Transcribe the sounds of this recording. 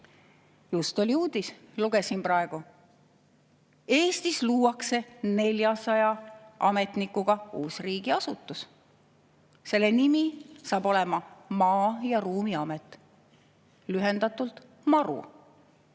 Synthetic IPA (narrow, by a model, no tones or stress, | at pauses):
just̪o̞lʲiuːd̪̥isluɡ̥e̞sinprɑe̞ɡ̥u | e̞ːst̪isluːwɑkse̞ne̞lʲjɑsɑjɑʔɑ̰me̞t̪nikːuɡ̥ɑṵːsriːɡ̥iɑsut̪ːˑus | se̞lːe̞nimisɑːb̥o̞le̞mɑmɑːjɑruːmiɑmet̪ˑ | lyɦe̞nd̪̥ɑt̪ˑult̪ˑ | mɑɾṵ